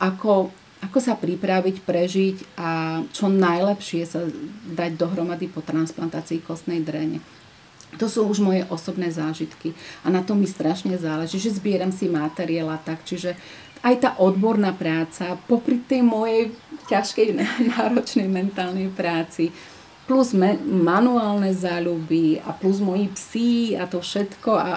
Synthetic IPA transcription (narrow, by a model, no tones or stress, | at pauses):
ʔakɔ | akɔsapɾipɾaʋicpɾɛʒicʔat͡ʃɔnajlɛpʃɪɛsad̪aɟd̪ɔɦɾɔmad̪ipɔt̪ɾansplant̪aːt͡siːkɔst̪nɛjd̪ɾɛɲɛ̰ | t̪ɔsuːuʒmɔjɛʔɔsɔbnɛːzaːʒit̪kianat̪ɔmist̪ɾaʃɲɛzaːlɛʒiːʒɛzbɪɛɾamsimat̪ɛɾɪalat̪akt͡ʃiʒɛ | ajt̪aːʔɔd̪bɔɾnaːpɾaːt͡sapɔpɾit̪ɛjmɔjɛjcaʃkɛj̪anaːɾɔt͡ʃnɛjmɛnt̪aːlnɛjpɾaːt͡si | pluzmɛmanuaːlnɛzaːʎubia̰pluzmɔjipsiat̪ɔfʃɛt̪kɔa